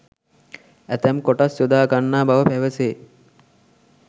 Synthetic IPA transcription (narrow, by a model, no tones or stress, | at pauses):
æt̪æmkoʈasjod̪aːɡanːaːbaʋəpæʋəseː